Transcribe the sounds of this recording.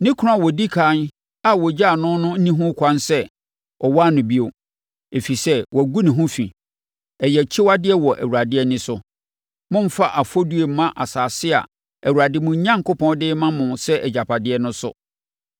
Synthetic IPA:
nɪ̃˦kʰa˨wɔ˨di˦kʰa˨˦n | a˨wɔ˨d͡ʑa˦˨nʊ̃˦nʊ̃˦n̩˦nĩ˦ɦʊ̃˦kʰʷã˦nsɛ˦ | ɔ˨wa˦˨nʊ̃˨bi˦o˨ | e˨fi˨sɛ˦wʔɔ˨ɡu˦nɪ̃˨ɦʊ̃˦fḭ˨ | ɛ˨jɛ˨t͡ɕʰɪ˦wa˦dɪ˦ɛ˦wɔ˨ʔæ̰˨wu˨ɾa˨dɪ˦ɛ˦nɪ̃˦sʊ˦ | mʊ̃˦m̩˦fa˦ʔa˨fɔ˦du˦e˨mã˦ʔa˨saː˨sɪ˦a̰˨ | æ˨wu˨ɾa˨dɪ˦mʊ̃˨ɲ˦ɲã˦ŋkʊ˦pʰɔ̃˦n˦dɪ˦mã˦mʊ̃˨sɛ˦ʔɛ˨d͡ʑa˨pʰa˨dɪ˦ɛ˦nʊ̃˦sʊ̰˦

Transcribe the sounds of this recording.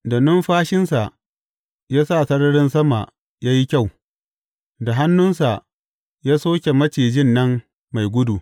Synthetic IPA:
da˨nʊ˦mɸaː˦ʃɪ˦nsa˨ʔ | jaː˦sa˦˨sɐ˦ɽɐ˦ɽɪ˦nsɐ˦ma˨ | jaː˦ji˦kʲa˦˨w | da˨ɦa˦nːʊ˦nsa˨ | jaː˦soː˦kʲe˨mɐ˦t͡ʃeː˨d͡ʒɪ˦˨nːɐ˦mː | a˨jɡʷʊ˦du˨

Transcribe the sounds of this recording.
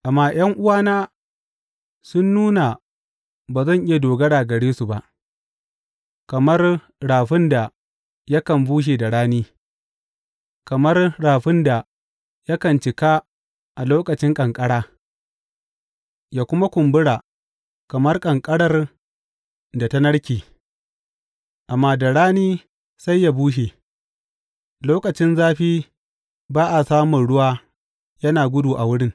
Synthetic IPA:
ʔa˨mːaː˦˨j̰ɐ˦ŋʔʊ˦waː˦naː˦ | sʊ˦nːuː˦na˨ | baː˨zɐ˦ɲʔɪ˦je˨doː˨ɡɐ˦ɽaː˨ɡɐ˨ɽiː˦su˨ba˦˨ʔ | kɐ˨mɐ˦r | ɽaː˨ɸɪ˦nda˨ | jɐ˦kɐ˨mbuː˦ʃ̬eː˨da˨ɽaː˦niː˦ | kɐ˨mɐ˦rɽaː˨ɸɪ˦nda˨ | jɐ˦kɐ˨nt͡ʃɪ˨kaː˦ | ʔa˨loː˦kɐ˨t͡ʃɪ˦ŋkʼɐ˨ŋkʼɐ˦ɽaː˦ | jaː˨kʷʊ˦ma˦kʷʊ˨mbʊ˦ɽaː˨ | kɐ˨mɐ˦rkʼɐ˨ŋkʼɐ˦ɽɐ˦r | da˨ta˦nɐ˦ɽkʲiː˨ | ʔa˨mːaː˦dɐ˨ɽaː˦niː˦ | sa˦jːa˨buː˦ʃeː˨ | loː˦kɐ˨t͡ʃɪ˦nzaː˦ɸiː˦ | baː˦ʔa˨saː˦mʊ˨nɽʊ˦waː˦ | jɐ˦naː˨ɡʷʊ˦duː˨ʔa˨wʊ˦ɽɪ˦ŋ

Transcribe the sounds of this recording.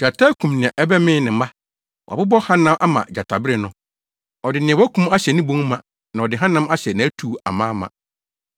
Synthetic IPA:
d͡ʑa˨tʰa˦kʰũ˨mnɪ̃˨ɛ̃˨ʔɛ˦bɛ˦mɪ̃˦nɪ̃˨ma˦ | wʔɪ˦bɔ˦hã˦nã˦mʔa˦mã̰˨d͡ʑa˨tʰa˨bɪ˦ɾɪ˨nʊ̃˦ | ɔ˨dɪ˨nɪ̃˨ɛ˨wkʰũ˦ma˦ɕɛ˨nɪ̃˦bõ˦ŋ˦mã̰˨ | nã˨ɔ˨dɪ˨ɦã˦nã˦ma˦ɕɛ˨nã˨æ˦tʰu˨a̰˨mãː˦mã̰˨

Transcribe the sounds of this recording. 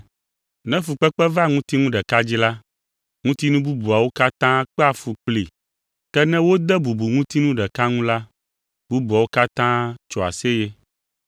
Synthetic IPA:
nɛ̃˦fu˨k͡pɛ˦k͡pɛ˦va˦ŋũ˦t̪i˦ŋũ˦ɖɛ˨ka˦d͡ʑi˦la˦ | ŋũ˦t̪i˦nũ˦bu˦bu˨a˨wo˦ka˦t̪ã˦k͡pɛ˦a˨fu˨k͡pli˨ | kɛ˦nɛ̃˦wo˦d̪ɛ˦bu˨bu˨ŋũ˦t̪i˦nũ˦ɖɛ˨ka˦ŋũ˦la˦ | bu˦bu˨a˨wo˦ka˦t̪ã˦t͡ʃɔ˨a̰˨se˦jɛ˦

